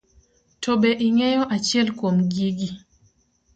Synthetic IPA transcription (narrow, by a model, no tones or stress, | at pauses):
tʰobeʔiŋɛjɔʔat͡ʃjɛlkwomɡiɡi